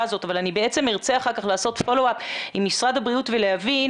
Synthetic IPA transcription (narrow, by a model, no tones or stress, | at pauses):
zo̞tavalanibee̞t͡se̞miʁt͡se̞aχaʁkaχlaːso̞tfo̞loapimːisʁadhabʁiutveleavin